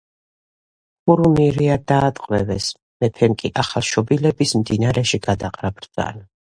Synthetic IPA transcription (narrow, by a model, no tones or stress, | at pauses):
uɾumiɾiad̪aːt̪ʼqʼwɛvɛs | mɛpʰɛmkʼiʔaχalˠʃɔbilɛbismd̪inaɾɛʃiɡad̪aqʼɾabɾd̪za̰na